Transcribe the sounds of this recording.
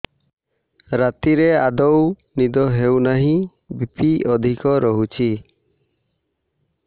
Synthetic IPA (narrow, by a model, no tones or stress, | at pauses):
ɾat̪iɾead̪ɔw | nid̪ɔɦewnaɦĩ | bipiɔd̪ʱikɔɾɔɦut͡ʃʰi